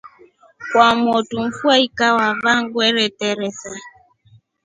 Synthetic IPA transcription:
kwamɔtuɱ̩fwaikawavaŋɡwɛɾɛtɛɾɛsa

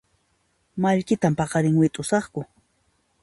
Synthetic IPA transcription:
maʎkɪt̪ampɑqɑɾɪŋwɪt̪ʼʊsɑχkʊ

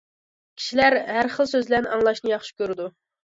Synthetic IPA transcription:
kʲʰi̥ʃilæɾɦæɾχəlˠsøzlænʔɑŋlˠɑʃnɨjɑχʃi̥kʲøɾɪd̪u

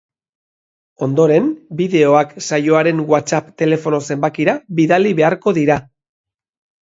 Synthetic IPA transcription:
o̞nd̪o̞ɾe̞mbiðe̞o̞aksajo̞aɾe̞ŋɡwat͡sapt̪e̞le̞fo̞no̞se̞mbakiɾaβiðaliβe̞aɾko̞ðiɾa

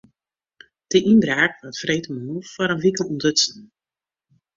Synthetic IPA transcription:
d̥əʔinbraːkʋɔtfrejtəmənuffɔɾənʋikəlˠundøtsn̩

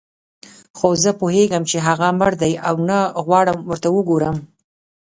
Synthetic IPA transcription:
xozəpoɦeɡəmt͡ʃeɦaɣaməɾd̪ajawnaɣwɑɽəmwəɾt̪awəɡoɾəm

